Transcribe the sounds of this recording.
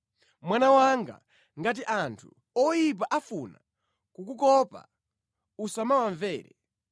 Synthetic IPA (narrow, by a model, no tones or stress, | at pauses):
mwanawaŋɡa̰ | ŋɡat̬iʔantʰu̥ | ɔjip̬aʔafuna̰ | kukukɔpa̰ | usamawaɱvɛːɾɛ̰